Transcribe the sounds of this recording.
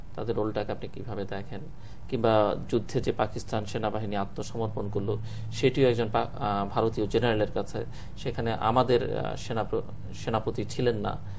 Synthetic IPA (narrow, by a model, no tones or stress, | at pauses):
t̪ad̪eɾolʈakeapnikibʱabed̪ɛkʰen | kimbad͡ʑud̪ʱːed͡ʑepakisʈanʃenabaɦiniat̪ːoʃɔmoɾponkoɾlo | ʃeʈioɛk̚d͡ʑonpa̰bʱaɾot̪iod͡ʑeneɾaleɾkat͡ɕʰe | ʃekʰaneʔa̰mad̪eɾʃena | ʃenapot̪it͡ɕʰilenːa̰